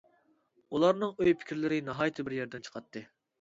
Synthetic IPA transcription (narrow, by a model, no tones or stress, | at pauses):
ulˠɑɾnɨŋøjpʰɪ̥kʲɾlɪɾɪnɑɦɑːjt̪ʰɨbɪɾjɛɾd̪ɛnt͡ʃʰə̥qʰɑt̪ʰːɨ